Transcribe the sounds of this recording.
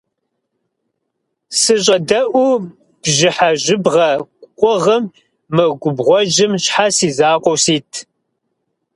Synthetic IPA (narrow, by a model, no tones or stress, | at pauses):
sɨɕ̬ʼɐdɐʔʷu | b̥ʑɪħaʑɪbʁɐkʷʼqʷʼʊʁɐmː | ɨɡʷʊbʁʷɔʒɪmɕħasiːzaːqʷɔwsiːtʰ